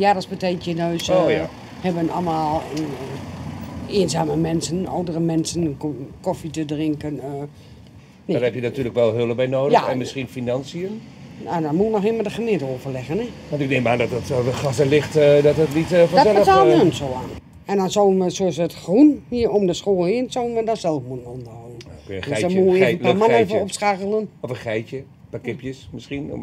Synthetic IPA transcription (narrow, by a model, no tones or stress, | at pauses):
jadɔsbəteːkjənøːs | hɛbənɔ̰lˠmaːlˠən | eːənzaːməmɛnsəno̰wdərəmɛnsənkɔfitədrɪŋkənː | neɔɛpjənatyːələkʋɛlˠɦøləbɛjnoːdjaxɛ̰nmɪsxinfinɑnsiən | nodɔmuənɔximədəχənɪtəoːvərlɛɣənɛʋɑ̃ntɪɡ̚deŋmaːdɔtɔtəxasəlɪxtdɔtətnitfɔdɔɛləanønsoːan | ɛndɔnsowənʋəsoəsətxrunhiəromdəsxoːlˠhiənsowənʋədɔnsɛlˠfmuənondoənkøjədɔmuəneəpmanefəopsxaɣəlˠənɔfəxɛjtjə | pakɪpjəsmɪsxin̰